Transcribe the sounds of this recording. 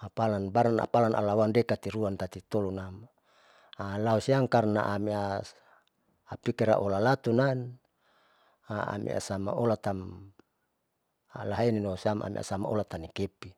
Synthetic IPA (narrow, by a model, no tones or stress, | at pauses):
apalanbaɾana̰palanʔa̰lawandekat̪iɾuant̪at̪it̪olunam | alausiaŋkarna̰ʔamia | pikiɾa̰ʔolalat̪unan | aa̰mḭa̰sama̰ʔolat̪am | laɦaininosiamʔa̰mḭʔa̰sama̰o̰lat̪anikepi